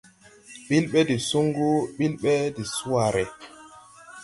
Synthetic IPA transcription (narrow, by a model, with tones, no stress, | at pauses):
ɓi˦lɓɛ˦di˨su˦ŋɡu˦ɓi˦lɓɛ˦di˨su˦a˦˨ɾɛ˨